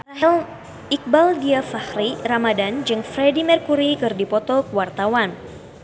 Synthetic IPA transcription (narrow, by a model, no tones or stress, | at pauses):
ɛl | ʔik̚baldiafahɾiramadand͡ʒɨŋfɾɛdimirkuɾikɨrdipɔt̪ɔkəwart̪awan